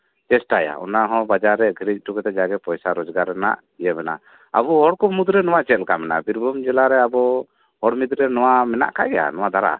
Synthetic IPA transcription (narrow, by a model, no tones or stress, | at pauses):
t͡ʃɛsʈaja̰ɔ̰naɦɔ̃bad͡ʒaɾːɛɡʱiɾic̚ˀʈukɛt̪ɛd͡ʒaɡɛpɔjsaɾɔd͡ʒɡaɾɛna̰ʔ | ijɛbɛna̰ | a̰buɦɔɽkɔmud̪ɾɛnɔwat͡ʃɛt̪̚lkamɛnabiɾbʱɔmd͡ʒɛlaɾɛabɔ | hɔɽmid̪ɾɛnɔwamɛna̰ʔka̰ɡɛja̰nɔwad̪ʱaɾa̰